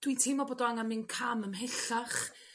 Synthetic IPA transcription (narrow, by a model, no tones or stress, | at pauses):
d̥witʰimɔboːdɔaŋanmɨnkʰaməmɦɛɬaχ